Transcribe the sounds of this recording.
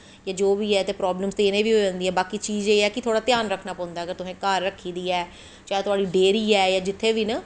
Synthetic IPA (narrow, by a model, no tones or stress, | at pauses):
jaːd͡ʒoːʋiːɛːt̪eːpɾɔːbləmzt̪eːnẽːʋiːɦoʋɛ̃ːnd̪iːɦɛːbaːkiːt͡ʃiːzeːɛːkɪt̪ʰoːɽaːt̪ɪjaːnɾəkʰnaːpɔ̃ːnd̪aːɡəɾt̪ʊsẽːkaːɾːəkʰːiːd̪iːɛː | t͡ʃaːet̪ʊaːɖiːɖeːɾiːɛːjaːd͡ʒɪt̪ʰːeːʋiːnaː